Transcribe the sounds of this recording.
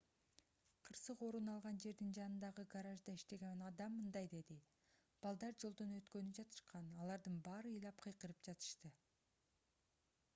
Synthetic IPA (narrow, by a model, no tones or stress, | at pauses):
qʰɯɾsɯqo̞ɾunɑlˠʁɑnd͡ʒe̞ɾd̪ind͡ʒɑnɯnd̪ɑʁɯɡaɾaʒd̪ɑiʃt̪e̞ɡenɑd̪ɑmːɯnd̪ɑjd̪e̞d̪i | b̥ɑlˠd̪ɑɾd͡ʒo̞lˠd̪unø̞t̪kø̞nyd͡ʒɑt̪ʰɯ̥ʃqɑnɑlˠɑɾd̪ɯnbɑːɾɯɯjlˠɑp̚qʰɯjqɯɾɯpd͡ʒɑt̪ɯ̥ʃt̪ɯ